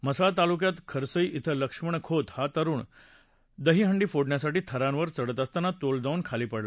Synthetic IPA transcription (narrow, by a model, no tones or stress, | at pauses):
məsaɭt̪alukjat̪kʰəɾsəiʔit̪ʰələkʂməɳkʰot̪hat̪əɾuːɳ | d̪əɦiːɦəɳɖiːfoɽɳjasaʈiːt̪ʰəɾãnʋəɾt͡səɽət̪əst̪anat̪old͡zaʋunkʰaliːpəɽla